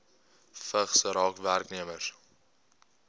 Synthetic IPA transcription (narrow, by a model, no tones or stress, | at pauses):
fəχsəɾɑːkværkniəmər